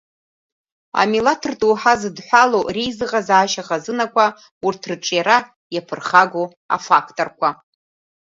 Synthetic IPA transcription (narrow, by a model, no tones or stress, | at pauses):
a̰milatʰɨrtʼuːħazɨdħʷalorijzɨʁazaːʃaχazɨnakʷʰa | urtʰrɨʈ͡ʂʼjaɾa | japʰɨrχaɡʷo | a̰fakʰtʼorkʷʰa